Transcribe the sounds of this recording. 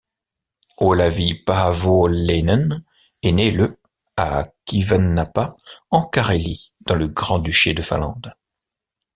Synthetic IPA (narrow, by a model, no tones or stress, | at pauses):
olavipavolenən | enelə | a̰kivanːapaɑ̃kaʁelid̪̥ɑ̃ləɡʁɑ̃d̪yʃed̪əfɛ̰̃lɑ̰̃d̪